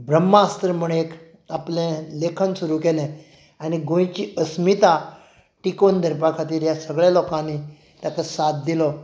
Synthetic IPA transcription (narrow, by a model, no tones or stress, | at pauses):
bɾəmːaast̪əɾm̤uɽek | aplẽlekʰənsuɾukelẽ | aniɡõjt͡ɕiʔəsmit̪a | ʈikond̪ʱəɾpakʰat̪iːɾjasəɡɭjalɔkãnːi | t̪jakəsat̪̚d̪ilɔ